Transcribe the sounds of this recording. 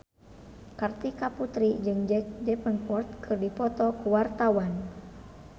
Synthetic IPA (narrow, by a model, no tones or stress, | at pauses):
kart̪ikaput̪ɾid͡ʒɨŋd͡ʒɛkd͡ʒɛpənpɔrt̪̚kʰɨrdipɔt̪ɔkuwart̪awan